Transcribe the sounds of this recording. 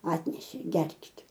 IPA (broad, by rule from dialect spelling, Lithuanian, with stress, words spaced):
ˈɑːtʲnʲɛʃʲeː ˈɡʲɛrʲkʲɪtʲ